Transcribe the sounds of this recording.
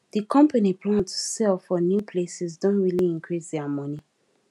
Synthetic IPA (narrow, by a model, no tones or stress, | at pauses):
dikʰɔ̃mpanipʰlãntsɛlfɔnjupʰlesɛsdɔ̃nɹiliĩŋkʰɹisdɛamɔni